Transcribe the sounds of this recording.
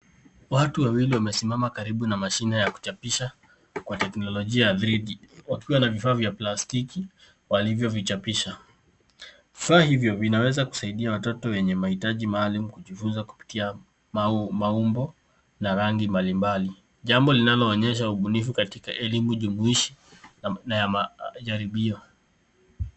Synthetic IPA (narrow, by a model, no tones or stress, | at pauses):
watuwawiliwamɛsimamakaɾiɓunamaʃinajaku̥t͡ʃapiʃa | kwatɛknɔlɔʄiajaðɾiɗiwakiwanavifaːvjaplastiki | walivjɔvit͡ʃapiʃa | vifaːhivjɔvinawɛzaku̥saiɗiawatɔtɔwɛɲɛmahitaʄimaːlum̩ukuʄifunzaku̥pi̥tia | mmaumbɔ | naɾaŋɡimbalimbali | ʄambɔlinalɔːɲɛʃ̬auɓunifukatikaʔɛlimuʄumuiʃi | najaaʄaɾiɓiɔ